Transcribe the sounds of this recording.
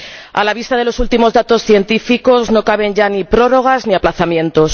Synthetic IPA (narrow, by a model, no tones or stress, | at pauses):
a̰laβist̪aðelo̞sult̪imo̞zðat̪o̞sθje̞nt̪ifiko̞zno̞kaβ̞e̞ɲʝanipɾo̞ro̞ɣ̞azniaplaθamjẽ̞nt̪o̞s